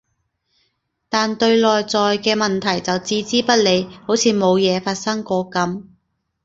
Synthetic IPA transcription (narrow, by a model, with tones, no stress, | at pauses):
t̪aː˨nt̪ɵ˧ɥlɔː˨jt͡sɔː˨jkɛː˧mɐ˨nt̪ʰɐ˨˩jt͡sɐ˨wt͡siː˥t͡siː˥pɐ˥t̚le˨˧jho˨˥wt͡sʰiː˨˧mo˨˧wjɛː˨˧faː˧t̚sɐ˥ŋkɔː˨˧kɐ˨˥m